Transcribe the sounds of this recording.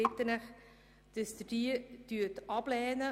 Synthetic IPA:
ɪt̪ːənəχ | d̥əsd̪̥did̥yːətɑb̥lɛːnə

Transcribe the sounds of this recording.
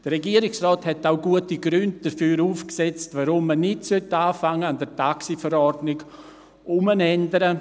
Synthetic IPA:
d̥əɾɾɛɡiːəɾɪksrɔːthɛtaʊɡuətiɡɾʏnd̚d̥əɾfyːɾuːfksɛt͡stvaɾʊmːənɪtsœtaːfaŋːəandɛɾtʰaksifəɾɔrdnɪɡ | ʔʊmənɛndəɾə

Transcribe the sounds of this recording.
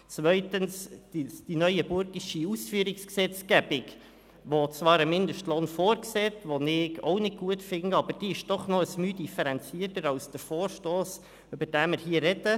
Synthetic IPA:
t͡svœʏtənsd̥id̥inœʏəbʊɾɡɪʃiusfyːəɾɪksksɛt͡sɡæbɪk | ʋot͡svɑːɾəmɪndəʃtloːnfoːɾksɛːtʋonɪɡo̰ʊnɪd̚ɡuətfɪŋəɑbəɾd̥iːɪʃd̥ɔχnoəsmyːdifəɾɛnt͡siːətəɾɑwsd̥əɾfoːɾʃtoːs | øbəɾd̥æːmɪɾɦiːəɾɛdə

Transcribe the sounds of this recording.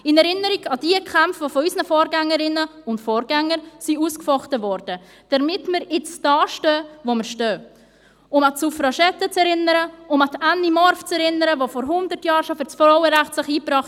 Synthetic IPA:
ɪnɛɾɪnəɾiɡɑd̥iəkʰampfvofɔysnəfoːɾɡæŋːəɾɪnəʊntfɔːɾɡ̥æŋːəɾsiuskfɔχtəvɔɾd̥ə | d̥ɛɾmɪtməɾɪt͡sd̥ɑːʃtœːvoməɾʃtøː | ʊmɑsufɾɑʃɛtːət͡sɛɾɪnəɾəʊmɑtʰænimɔɾft͡sɛɾɪnəɾəvofɔɾɦʊndətjɑːɾʃofɪɾt͡sfɾɔwəɾæχtslɪχiːpɾɑːχ

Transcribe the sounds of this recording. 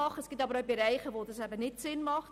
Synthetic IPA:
ɑχəsɡ̥itɑbəɾəbəɾɛjχəvoːdəsæbənɪtsɪnmɑχ

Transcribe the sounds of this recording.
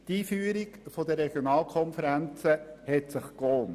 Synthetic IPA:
tiːfyːəɾiɡfɔd̪əɾɛɡ̥jonɑːlˠkʰɔnfəɾænt͡səhɛtsɪχkɔːn

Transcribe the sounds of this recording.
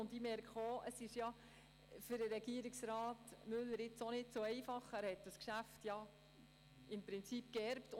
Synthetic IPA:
ʊndimɛɾkχoʔəsɪʃjɑ | fʏɾəɾɛɡiəɾɪksɾɑːtmʏlːəɾɪt͡sonɪtt͡soɛɪfɑχæːɾhɛt̚d̥ɑskʃæftjɑ | ɪmpɾɪnt͡sip̚kɛɾpt

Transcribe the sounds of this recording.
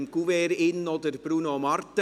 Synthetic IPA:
mkuʋeːɾɪnːod̪əɾb̥ɾunomɑrt̪ə

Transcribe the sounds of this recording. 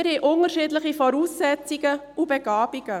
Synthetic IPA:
ɾhiʔʊnəɾʃiːdlɪχifɔɾuːsːɛt͡siɡə | ubeɡ̥ɑːb̥iɡ̥ə

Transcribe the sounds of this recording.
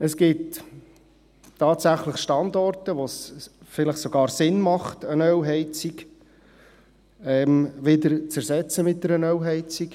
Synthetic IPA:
əsɡit | tːɑːtsæχləχʃtɑnd̪ɔrtəʋosfɪləχsɔɡɑːɾsɪnmɑχtənœwɦɛɪt͡sik | ɛmʋɪdəɾt͡sæɾsɛt͡səmɪt̚dɛɾənœwɦɛɪt͡sik

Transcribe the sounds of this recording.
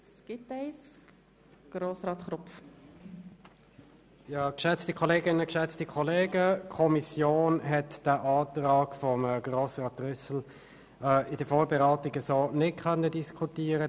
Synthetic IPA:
sɡ̥ɪtɛɪs | ɡ̥ɾoːsɾɑːt̪χɾʊpf | jɑːkʃɛt͡stikʰɔleːɡɪnːəkʃɛt͡stikʰɔleːɡəkʰɔmisjoːnɦɛtd̥aʔɑːtʁɑːɡ̥fɔmːɡroːsʁɑːt̚ʁʏsl̩ | ɛɪdəfoːbɛʁaːtɪɡəsoːnɪt̚kʰœnːədiskʰutiːəɾə

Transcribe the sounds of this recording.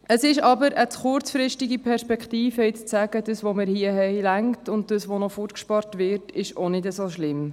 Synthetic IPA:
ʔəsɪʃɑbəɾət͡sχʊɾt͡sfɾɪʃtiɡipʰɛɾʃpɛkχtiːfəɪt͡st͡sæɡ̥ədəsʋoməɾhiəɦɛɪlæŋktʊnd̚d̥əsʋonɔfutkʃpɑɾtvɪtɪʃonɪdəsoʃlɪm

